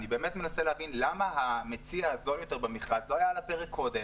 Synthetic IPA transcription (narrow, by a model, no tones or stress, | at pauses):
nibe̞ːmet̪me̞naseleavinlamaɦamet͡siaazoljo̞te̞ʁbemeχʁazloajalapeʁekkʰːo̞de